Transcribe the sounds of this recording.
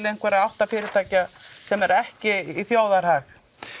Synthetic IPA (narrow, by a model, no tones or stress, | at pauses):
lɪen̥kvɛːɾaðawht̪afɪːɾɪɾ̥t̪ʰaːcasɛmɛɾɛhcɪiθjaːwðaɾhax